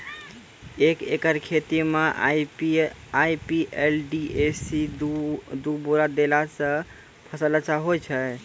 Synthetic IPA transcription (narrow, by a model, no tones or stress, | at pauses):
ekḛkəɾkʰet̪ime | aipielɖiesi | d̪uboɾad̪elasə̃ | pʰəsələt͡ʃaɦojt͡ʃʰɛ